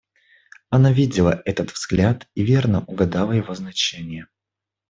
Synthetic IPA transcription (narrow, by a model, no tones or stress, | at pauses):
ɐnavʲidʲɪlˠəʔɛt̪ət̪vz̥ɡlʲat̪ivʲe̞rnəʔʊɡɐd̪ɑlˠəjɪvoznɐt͡ɕenʲɪjə